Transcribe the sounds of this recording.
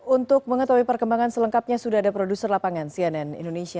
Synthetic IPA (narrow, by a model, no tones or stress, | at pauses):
unt̪ʊk̚məŋət̪awipərkəmbaŋansələŋkap̚ɲasudahadapɾodusərlapaŋansiɛnɛnḭndonesia